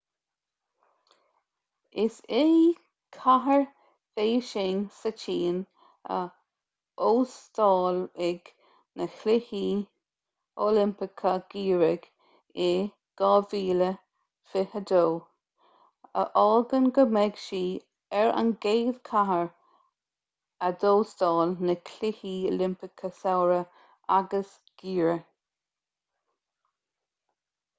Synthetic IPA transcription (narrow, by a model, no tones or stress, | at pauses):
ɪsɪ | kʰaɦəɹ | feːʃɪŋsət͡ʃʰiːn | ə̰ | oːst̪ɑːlɪɡ | nəxlɪhiː | oːlɪmpɪkʰəɡ̥iːɹəɡ̥ | eː | ɡ̥ɑːviːlə | fɪhəd̪oː | ə̰ʔɔːlɡənɡəmɛɡʃiː | ɛɹə̰nɡeːð̥kʰaɦəɹ | əd̪oːstɑːlnəkʰlɪhiːolɪmpɪkʰəsawɹə | ʔaɡəs | ɡ̥iːɹə